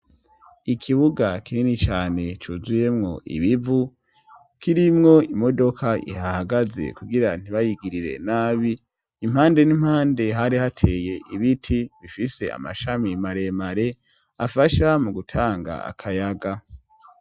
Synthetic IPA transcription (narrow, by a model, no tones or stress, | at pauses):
ikʰiβuɡakininit͡ʃaːne̞t͡ʃuːzuje̞mŋo̞ʔḭβivu | kiɾimŋo̞imo̞do̞kʰaʔḭhahaɡaze̞̰kuɡiɾan̥iβajiɡiɾiɾe̞̰naːβiː | m̥haːnde̞nim̥haːnde̞ɦaɾihatʰe̞je̞ʔiβitʰiβifise̞a̰ma̰ʃamimaɾe̞maɾe̞ | afaʃamuɡutʰaːŋɡa̰a̰kʰajaɡa